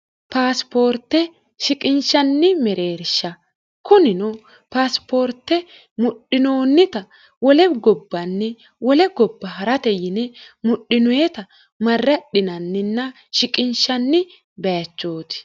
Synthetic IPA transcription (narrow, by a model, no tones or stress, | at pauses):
paːspo̞ːɾt̪ːɛ | ʃɪkʼɪnʃɐnːɪmɛɾeːɾʃːɐ | kʊnɪnɔ | paːspʰo̞ːɾt̪ːɛ | mʊɗːɪnoːnːɪt̪ɐ | wɔlɛɡɔbːɐnːɛ | wɔlɛɡɔbːɐɦɐɾɐt̪ɛjɪnɛmʊɗːɪnʊwet̪ɐ | mɐrːɐɗɪnɐnːɪnːɐ | ʃɪkʼɪnʃɐnːɪ | bɛjɐt͡ʃːo̞ːt̪ɪ̥